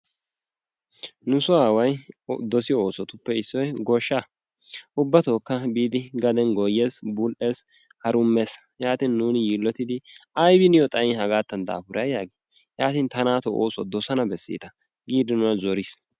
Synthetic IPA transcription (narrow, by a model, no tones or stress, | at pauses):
nʊsʊaːwɐjd̪ɔsɪjɔoːsɔt̪ʊpːɛɪsːɔjɡɔʃːa | ʔʊbːɐt̪oːkːɐbiːd̪ɪɡɐd̪ɛnɡɔjːe̞ːsbuːlʔe̞ːs | hɐɾʊmːeːs | jaːt̪iːnnuːnjiːlːɔt̪ɪd̪ɪɐjbɪnɪjɔt̪ʼɐjɪnhɐɡaːt̪ːɐnd̪a̰ːfʊɾɐjjaːɡi | jaːt̪iːnt̪ɐnaːt̪ɔʔo̰ːsɔd̪ɔsɐnɐbɛsːḭːt̪ɐ | ɡiːd̪ɪnʊnɐzɔɾɪs